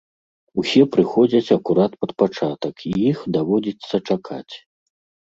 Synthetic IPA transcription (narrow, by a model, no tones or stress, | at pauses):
usʲɛpɾɨxɔd͡zʲɐt͡sʲɐkuɾat̪pɐt̪̚pat͡ʂat̪ɐkʰijixd̪avɔd͡zʲit̪sːɐt͡ʂakʰa̰t͡sʲ